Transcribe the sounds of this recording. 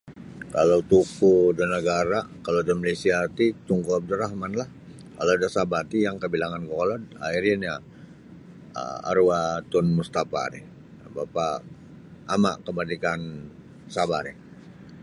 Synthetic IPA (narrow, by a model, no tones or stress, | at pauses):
kalawt̪ukudənəɡaɾakalodəmalesiat̪it̪uŋkuab̚dəɾaɦmanlah | kalaadasabat̪ijaŋkəbilaŋankolɔda̰iɾinja | ə̰a̰ɾuat̪ʊnmust̪afa̰ɾɛ̰h | bapa | ʔːma̰ʔkəmadikan | sabaɾɛh